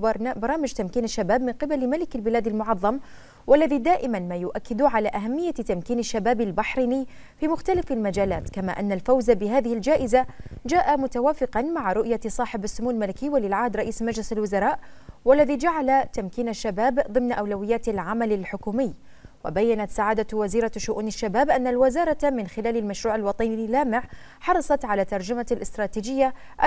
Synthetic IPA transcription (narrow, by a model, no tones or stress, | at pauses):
bɑɾˤɑːmɪd͡ʒt̪amkiːnaʃːabaːbmɪnqɨbalmalɪkalbɪlaːd̪almʊʕɑðˤːɑm | walːaðid̪aːʔɪmanmaːjʊʔakːɪd̪ʕalaːʔaɦamːɪjːat̪amkiːnaʃːabaːbalbaħɾiːnɪjː | fiːmʊxt̪alafalmad͡ʒaːla̰ːt̪kama̰ːʔanːalfawzabɪɦaːðɪhɪld͡ʒaːʔɪzad͡ʒaːʔamʊt̪awaːfɪqɑnmaʕɾˤʊʔjasˤɑːħɪbasːʊmuːllmalɪkɪːwalɪlʕahd̪ɾˤɑʔiːsmad͡ʒlɪsalwʊzɑɾˤɑːʔwalːaðiːd͡ʒaʕalat̪amkiːnaʃːabaːbðˤɨmnʔawlawɪjːaːt̪alʕamalalħʊkuːmɪjː | wabajːanat̪saʕaːd̪awaziːɾaʃʊʔuːnaʃːabaːbʔanːalwɪzɑːɾˤɑmɪnxɪlaːlalmaʃɾuːʕalwɑt̪ˤɑnilaːmɪʕ | ħɑɾˤɑsˤɑt̪ʕalaːt̪ɑɾˤd͡ʒamalʔɪst̪ɾˤɑːt̪iːd͡ʒɪjːa | ʔa